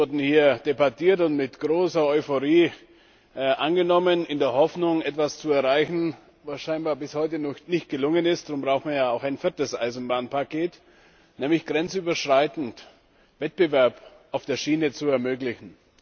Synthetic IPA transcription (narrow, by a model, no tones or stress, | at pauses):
ʊɐdn̩hiːɐd̥ebatʰiːɐtʊntmɪtɡ̥ʁoːsɐɔʏfoʁiː | ʔanɡənɔmənɪndeːɐhɔfnʊŋɛtv̥ast͡suɛɐʁaɪçn̩ | vasʃaɪnbaːɐbɪshɔʏtənɔnɪçt̚ɡ̥əlʊŋənɪstd̥ʁʊmbʁaʊxtmajaːaʊxaɪnfɪɐtəsʔa̰ɪzn̩baːnpʰakʰeːt | nɛːmlɪçɡ̥ʁɛnt͡syːbɐʃʁ̥aɪtn̩t | vɛt̚b̥əvɛɐp | ʔaʊfd̥eːɐʃiːnət͡suɛɐmøːklɪçn̩